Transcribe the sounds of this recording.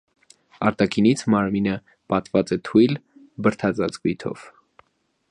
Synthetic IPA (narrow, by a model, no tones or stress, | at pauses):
ɑɾt̪ɑkʰinit͡sʰmɑɾminə | pɑt̪vɑt͡sɛt̪ʰujl | bəɾt̪ʰɑt͡sɑt͡sɡujt̪ʰɔ̰v̥